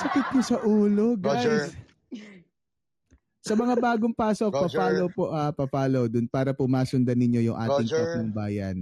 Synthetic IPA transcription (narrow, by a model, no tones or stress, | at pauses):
sɐkɪt̪̚kʊsɐʔuːlo̞ɡajs | sɐmɐŋabaːɡoŋpaːsok̚pɐpaːlowpoʔaːpɐpaːlowd̪ʊnpaːɾɐpʊmaːsʊnd̪ɐnɪɲo̞jʊŋʔa̰ːt̪ɪŋp̪ɐkʊŋbaːjɐ̰n